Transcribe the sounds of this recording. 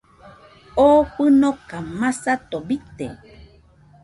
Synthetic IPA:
oɸɨnokamãsat̪obit̪ḛ

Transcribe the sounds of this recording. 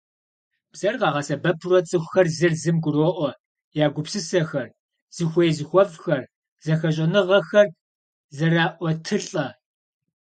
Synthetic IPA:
b̥z̥ɐrqɑːʁɐsɐbɐpʰrɔt͡sʼɨxʷxɐrzɨrzɨmɡʷʊroːʔʷɔ | jaːɡʷʊpsɨsɐxɐr | z̥ɨxʷɔjzɨxʷɔvxɐr | zɐxɐɕʼɐnɨʁɐxɐr | zɐraːʔʷɔtʰɨɬʼɐ

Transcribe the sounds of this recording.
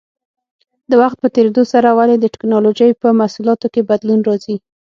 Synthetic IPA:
d̪əwaxt̪̚pət̪eɾed̪osaɾawaled̪əʈɪ̥knɑloʒəjpəmasulɑt̪okebad̪lunɾɑzi

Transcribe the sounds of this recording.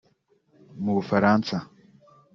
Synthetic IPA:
mufaɾaːnsa

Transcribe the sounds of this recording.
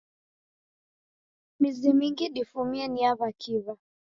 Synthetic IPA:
mizimiŋɡiɗifumiɛniaβakʰiva

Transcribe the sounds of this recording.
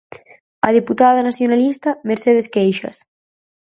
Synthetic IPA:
ɐðiput̪að̞anaθjonalist̪ameɾseðeskejʃa̰s

